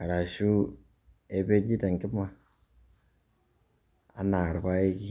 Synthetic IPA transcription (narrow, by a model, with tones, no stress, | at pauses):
a˨ɾa˨ʃu˦ | e˦βe˦ɲi˦ta˨ŋki˦ma˦ | a̰˦na˨ɾβa˦e˦ki